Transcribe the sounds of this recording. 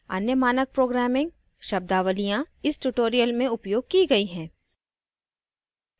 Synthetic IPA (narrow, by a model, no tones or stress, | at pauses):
ɐ̰njəmaːnək̚pɾoːɡɾæːmɪ̃ŋɡ̚ | ʃɐb̚d̪aːʋəlijãɪsʈuʈoːɾijəlmẽʊpjoːɡ̚kiɡɐiɦɛ̃ː